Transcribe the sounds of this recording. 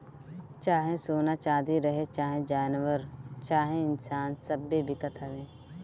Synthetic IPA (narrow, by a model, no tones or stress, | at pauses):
t͡ʃaːɦẽsoːnat͡ʃaːd̪iɾɐɦet͡ʃaːɦẽd͡ʒaːnʋəɾt͡ʃaːɦẽɪnsaːnsɐbːibɪkət̪ɦɐʋẽː